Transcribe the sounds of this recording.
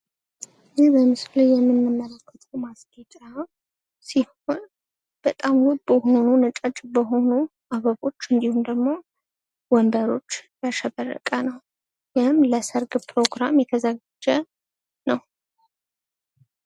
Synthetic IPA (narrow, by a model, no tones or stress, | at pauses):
jɪhbəmɨslajjɛmːɨnːɨmːəlakʰːət̪ʰʼəwmasɡet͡ʃʼa | siho̞n | b̥ət̪ʼamhut̪bəho̞nunɨt͡ʃʼət͡ʃʼbəɦo̞nuʔaβəβo̞t͡ʃːɨnd̪ihumd̪əɡmo̞ | wɔnb̪əɾo̞t͡ʃːjaʃɛβərːə̰kʼənəw | jɪhɨmləsəɾɡpʰɾo̞ɡɾamjɛt̪ʰəzəɡad͡ʒə | nəw